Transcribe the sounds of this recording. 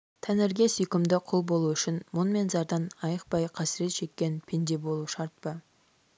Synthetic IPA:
t̪ʰænɪɾɡʲe̞sʏjkʲɪmd̪ɪqʰʊlˠbo̞lˠuʏʃɪnmʊnme̞nzɑɾd̪ɑnɑjəq̚pɑjqʰɑsɪɾe̞t̪ʃe̞kʲːe̞npʰend̪e̞bo̞lˠuʃɑɾt̪̚pə

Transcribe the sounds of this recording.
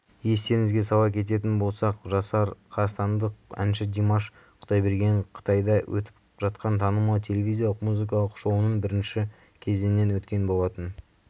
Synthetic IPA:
je̞st̪e̞ɾɪŋɪzɡʲe̞sɑbɑkʲʰe̞t̪̬e̞t̪̬ɪnbo̞lˠsɑqʒɑsɑɾqʰɑst̪ɑnd̪əqæ̰nʃɪd̪emɑʃ | qʰʊd̪ɑjbe̞ɾɡʲe̞ɴqʰə̥t̪ʰɑjd̪ɑwʔɵ̰t̪ɪ̥p | ʒɑt̪qɑnt̪ʰɑnəmɑwt̪ʰe̞le̞vʲijzʲijalˠəqmuzɨk̬ɑlˠəqʃo̞wənənbɪɾɪnʃɪ | kʲʰe̞zennːe̞nwɵt̪kʲe̞nbo̞lˠɑt̪ən

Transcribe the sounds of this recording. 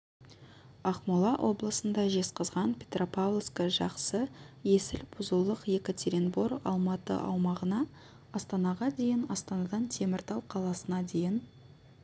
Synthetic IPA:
ɑqmulˠɑwʔo̞blˠəsənd̪ɑʒe̞sqəzʁɑnpʲʰet̪ropalˠskəʒɑqsəje̞sɪlbʊzəlˠəqje̞kʲot̪ʲʰeɾʲinbo̞ɾɑ̰lˠmɑt̪ə̰ʔɑ̰wmɑʁənɑ | ɑst̪ɑnɑʁɑd̪e̞jɪnɑst̪ɑnɑd̪ɑnt̪ʰe̞mɪɾd̪ɑw̪ˠqʰɑlˠɑsənɑd̪e̞jɪn

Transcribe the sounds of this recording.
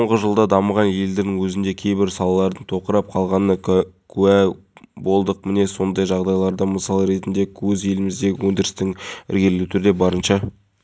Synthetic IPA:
soɴʁəʒəlˠd̪ɑd̪ɑməʁɑnje̞ld̪enɪŋwɵzɪnd̪e̞kʲʰe̞jbɪɾsɑlˠɑlˠɑɾd̪əɴt̪ʰo̞qəɾɑp̚qʰɑlˠʁɑnəkʲʰʉæ | bo̞lˠd̪əq̚mɪne̞so̞nd̪ɑjʒɑʁd̪ɑjlˠɑɾd̪ɑməsɑlˠəɾe̞t̪ɪnd̪e̞kʲʰɵze̞lɪmɪzd̪e̞ɡʲɪwɵnd̪ɪɾɪst̪ɪŋɪ̰ɾɡʲe̞llut̪ʰʏɾd̪e̞bɑɾənʃɑ

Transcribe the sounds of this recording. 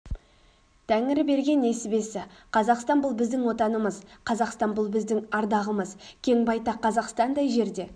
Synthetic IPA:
t̪ʰæŋɪɾɪbe̞ɾɡʲe̞ne̞sɪbe̞sɪqʰɑzɑqst̪ɑnbʊlˠbɪzd̪ɪŋwo̞t̪ɑnəməzqʰɑzɑqst̪ɑnbʊlˠbɪzd̪ɪŋɑɾd̪ɑʁəməzkʲʰe̞ŋbɑjt̪ɑqʰːɑzɑqst̪ɑnd̪ɑjʒe̞ɾd̪e̞

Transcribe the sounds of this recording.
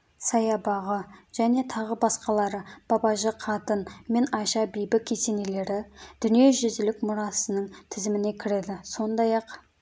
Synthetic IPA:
sɑjɑbɑʁəʒ̥æne̞t̪ʰɑʁəbɑsqɑlˠɑɾəb̥ɑbɑʒəqʰɑt̪ənme̞nɑjʃɑbijbɪkʲʰːese̞ne̞le̞ɾɪd̪̥ʏnije̞ʒʏzd̪ɪlɪkmʊɾɑsənəɴt̪ʰɪzɪmɪne̞kʲʰɪɾe̞d̪ɪso̞nd̪ɑjɑq

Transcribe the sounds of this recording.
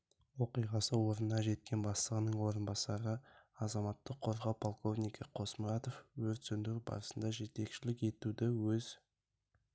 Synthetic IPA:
wo̞qijʁɑsəwo̞ɾənːɑʒe̞t̪̚kʲe̞nbɑslˠəʁənəɴwo̞ɾənbɑsɑɾəɑzɑmɑt̪ːəqʰːo̞ɾʁɑwpʰolˠko̞vnijkʰəqʰo̞sməɾɑt̪o̞fwɵzt̪sʏnd̪ɪkbɑ̰ɾəsənd̪ɑʒe̞t̪e̞kʃɪlɪke̞t̪ud̪ɪwɵz̥

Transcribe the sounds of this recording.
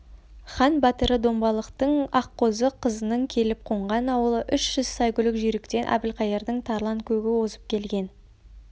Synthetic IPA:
χɑnbɑt̪əɾəd̪o̞mbɑlˠəqt̪əɴɑqːo̞zəqʰəzənəŋkʲʰe̞lɪp̚qʰo̞ɴʁɑnɑwəlˠəʔʏʃʒ̥ʏz̥sɑjkʲʏlɪkʒʏjɾɪkt̪e̞nʔæ̰bɪlqɑjeɾd̪əɴt̪ʰɑɾlˠɑŋkʲʰɵɡʲɪwo̞səp̚kʲʰe̞lɡʲe̞n

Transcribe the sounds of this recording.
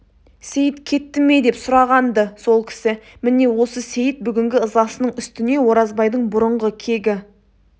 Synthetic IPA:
se̞jɪt̪kʲʰe̞t̪ːɪme̞jd̪e̞psʊɾɑʁɑnd̪əso̞lˠkʲʰɪ̥sɪmɪne̞wo̞səse̞jɪt̪̚bʏɡʲɪŋɡʲɪəzɑsənəɴʏst̪ɪne̞wo̞ɾɑzbɑjd̪əɴbʊɾəɴʁəkʲʰe̞ɡʲɪ

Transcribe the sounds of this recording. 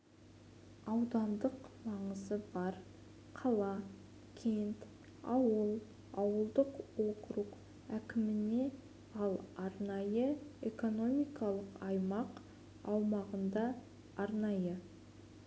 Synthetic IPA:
ɑwd̪ɑnd̪əqmɑɴəzəbɑɾ | qʰɑlˠɑ | kʲʰe̞nt̪ | ɑwəlˠ | ɑwəlˠd̪əqwo̞qɾuq | ækʲɪmɪne̞ | ɑlˠɑɾnɑjəeko̞no̞mijkɑlˠəqɑjmɑq | ɑwmɑʁənd̪ɑ | ɑɾnɑjə

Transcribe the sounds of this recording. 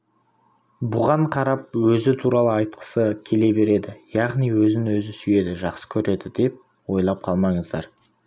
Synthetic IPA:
bʊʁɑɴqʰɑɾɑp̚wɵzɪt̪ʰuɾɑlˠəɑjt̪̚qʰə̥səkʲʰe̞le̞be̞ɾe̞d̪ɪjɑʁnijwɵzɪnwɵzɪsʏje̞d̪ɪʒɑqsə̥kʲʰɵɾe̞d̪ɪd̪e̞p̚ | wo̞jlˠɑp̚qʰɑlˠmɑɴəzd̪ɑɾ

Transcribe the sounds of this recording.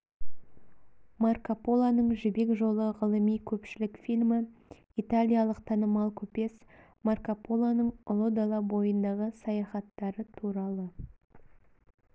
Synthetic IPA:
markapolˠanəɴʒɪbe̞kʒo̞lˠəʁəlˠəmijkʲʰɵpʃɪlɪkfilʲmɪ | it̪alʲijalˠəqt̪ʰɑnəmɑlˠkʲʰɵpe̞s | markapolˠanəɴʊlˠod̪alˠɑbo̞jənd̪ɑʁəsɑjɑχɑt̪ːɑɾət̪ʰuɾɑlˠə

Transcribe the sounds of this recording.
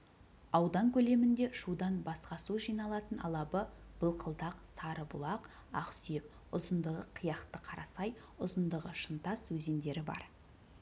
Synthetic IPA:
ɑwd̪ɑŋkʲʰɵle̞mɪnd̪e̞ʃud̪ɑnbɑsqɑsuʒijnɑlˠɑt̪ənɑ̰lˠɑbəb̥əlˠqʰəlˠd̪ɑqsɑɾəbʊ̰lˠɑq | ɑ̰qsijek̚ | ʊzənd̪əʁəqʰəjɑqt̪əqʰɑɾɑsɑj | ʊzənd̪əʁəʃənt̪ɑswɵze̞nd̪e̞ɾɪbɑ̰ɾ

